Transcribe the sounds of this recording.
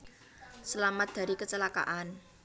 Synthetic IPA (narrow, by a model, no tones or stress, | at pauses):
səlamat̪̚d̪̥a̤ɾikət͡ʃəlaka̰ʔan